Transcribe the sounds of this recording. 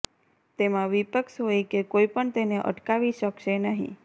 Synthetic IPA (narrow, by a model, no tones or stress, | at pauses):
t̪emãʋipəkʃɦojekekoipəɳt̪eneʔə̰ʈkaʋiʃəkʃenəɦḭ̃